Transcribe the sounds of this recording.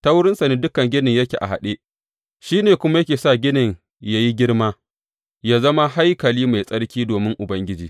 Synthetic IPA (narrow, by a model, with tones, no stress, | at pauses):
ta˦wʊ˦ɽɪ˦nsa˨neː˦dʊ˦kɐ˨ŋɡʲɪ˦nɪ˨ɲjɐ˦kʲḛː˨ʔa̰˨ɦa̰˨ɗe˦ | ʃiː˦neː˨kʷʊ˦ma˦jɐ˦kʲeː˨sa˦˨ɡʲɪ˦nɪ˨ɲ | ja˦ji˦ɡʲɪ˦ɽmaː˦ | jaː˦zɐ˦ma˦ha˦jkɐ˨liː˦ma˨jsʼɐ˦ɽkʲiː˦doː˨mɪ˦ŋʔʊ˨bɐ˦ŋɡʲɪ˦d͡ʒiː˨